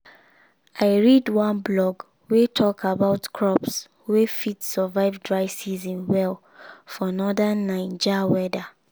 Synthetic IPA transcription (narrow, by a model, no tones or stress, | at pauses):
aɪɹidwãnblɔɡ | wetʰɔkabaʊtkʰɹɔps | wefitsəvaɪvdɹaɪvsizĩnwɛl | fɔnɔdanːãɪ̃nd͡ʒawɛda